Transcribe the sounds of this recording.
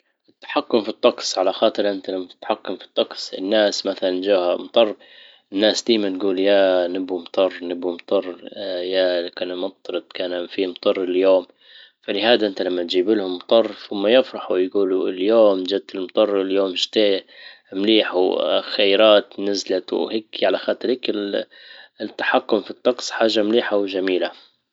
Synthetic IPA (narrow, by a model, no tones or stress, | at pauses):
ʔɪt̪ːḁħakːʊmfit̪ˤːɑqsˤʕalaxɑːt̪ˤɨɾʔɪnt̪alamːḁt̪ːħakːʊmfi̥t̪ˤːɑqsˤɪ̰nːaːsmaθaland͡ʒaːhamt̪ˤɑrˤː | ɪnːaːsd̪iːmanɡuːljaːnɪbumt̪ˤɑrˤːnɪbumt̪ˤɑrˤjalakaːnmɑt̪ˤːɾɑt̪̚kaːnfimt̪ˤɑrˤːɪljoːm | falɪhaːd̪aʔɪnt̪alamːat̪d͡ʒiːbɪlhʊmːt̪ˤɑrˤːθʊmːajɪfɾˤɑħujɡuːluɪljoːmd͡ʒab̚t̪ɪlmt̪ˤɑrˤːɪljoːmʃt̪eː | mliːħaxajɾˤaːt̪nɪzlat̪wheːkʕalaxaːt̪ˤɨɾɪkɪl | t̪ːḁħakːʊmfit̪ˤːɑqsˤħaːʒːamliːħawʒamiːla